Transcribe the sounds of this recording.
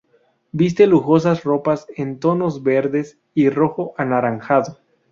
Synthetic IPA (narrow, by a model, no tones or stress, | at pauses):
bis̬t̪e̞luxo̞s̬asro̞pasent̪o̞no̞zbe̞ɾðe̞s | iro̞xo̞ʔanaɾaŋxaðo